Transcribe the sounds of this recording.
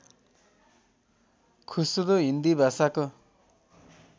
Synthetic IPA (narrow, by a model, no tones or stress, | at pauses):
kʰusud̪oɦind̪ibʱasako